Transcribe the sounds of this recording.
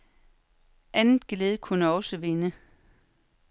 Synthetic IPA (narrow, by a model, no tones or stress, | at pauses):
ʔænð̩ˠɡ̥leːð̞ˠəkʰunəɒ̽səʋe̝nə